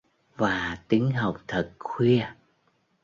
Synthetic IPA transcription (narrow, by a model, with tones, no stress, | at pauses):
vaː˨˩t̪i˨˦əŋɦa˨˩wk͡p̚t̪ʰə˨˩t̚xwi˧ə